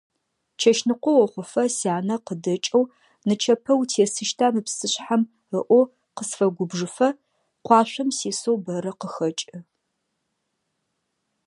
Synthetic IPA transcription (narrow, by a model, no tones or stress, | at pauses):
t͡ʃʰɐʃnɨqʷɔwɔχʷʊfɐsiaːnɐqədɐt͡ʃʼɐw | nɨt͡ʃʰɐpʰɐwtʰeːsɨʃtʰaːmɨpsɨɕħam | ɨʔʷɔ | qəsfɐɡʷʊbʐɨfɐ | qʷɑːɕʷɐmsiːsowbɐɾɐqəxɐt͡ʃʼɨ